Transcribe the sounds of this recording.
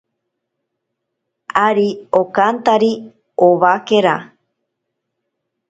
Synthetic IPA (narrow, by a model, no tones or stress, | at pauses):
aɾiokant̪aɾi | oβakeɾa